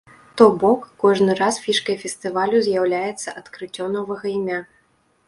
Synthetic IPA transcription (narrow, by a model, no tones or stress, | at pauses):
t̪ɔbɔkːɔʐnɨɾasfʲiʂkɐjfʲɛst̪ɨvalʲuzʲjawlʲajɛt̪sːɐʔɐt̪kɾɨt͡sʲːɔmnɔvɐɣɐimʲa